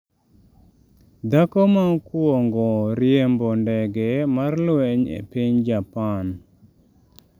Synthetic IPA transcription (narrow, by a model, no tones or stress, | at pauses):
d̪akomakwoŋɡɔɾjembɔndɛɡɛmarlwɛɲḛpiɲd͡ʒapan